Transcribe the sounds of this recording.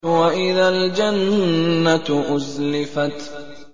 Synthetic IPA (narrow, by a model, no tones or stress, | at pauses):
waʔɪðald͡ʒanːat̪ʔʊzlɪfat̪